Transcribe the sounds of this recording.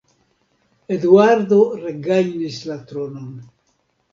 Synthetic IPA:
ed̪uaɾd̪o̞ɾeɡajnislat̪ɾo̞no̞n

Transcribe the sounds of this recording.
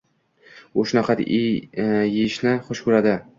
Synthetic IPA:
ʊʃʊnaqʰɑt̪ | jeʃnɪχʊʃkʰʊɾad̪ɪ

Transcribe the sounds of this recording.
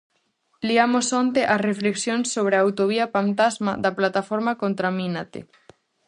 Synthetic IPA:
liamosont̪eʔarefleksjonsːoβ̞ɾeawt̪oβiafant̪azma̰ðaplat̪afoɾmakont̪ɾaminat̪ḛ

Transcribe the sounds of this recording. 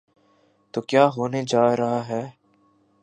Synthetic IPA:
t̪oːkjaːɦoːned͡ʒaːɾɐɦaɦɛː

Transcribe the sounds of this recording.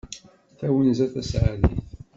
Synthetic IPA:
θæwənzæθæsʕaðḭθ

